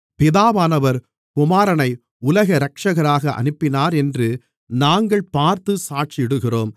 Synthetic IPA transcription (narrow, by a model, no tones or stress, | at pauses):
pɪðaːʋaːnɐʋɐɾ | kʊmaːɾɐnɐɪ | ʊlɐɣɐɾɐkʂɐɣɐɾaːɣɐʔɐ̰nɯpːɪnaːɾɛndrɯ | naːŋɡɐɭpaːɾt̪ɯsaːʈt͡ʃɪɪɽɯɣɪroːm